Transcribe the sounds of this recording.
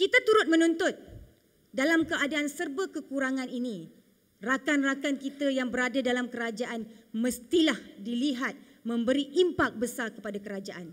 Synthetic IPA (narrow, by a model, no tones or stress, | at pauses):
kit̪at̪uɾʊt̪̚mə̃nũnt̪ʊt̪̚ | dalamkəadaːnsərbəkəkuɾaŋãninĩ | rakanrakankit̪əjaŋbəɾadadalamkəɾad͡ʒaʔanmə̃st̪ilahdiliɦat̪̚ | mə̃mbəɾiʔimpak̚bəsarkəpadakəɾad͡ʒaʔan